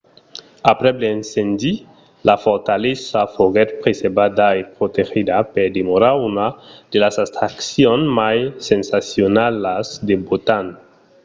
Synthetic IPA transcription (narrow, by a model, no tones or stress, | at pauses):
apɾɛbleensend̪i | lafoɾt̪alesafoɣɛt̪̚pɾesebad̪aepɾot̪exid̪apeɾd̪emoɾaunad̪̥elasast̪ɾaksjonmajsensasjonalasd̪ebot̪an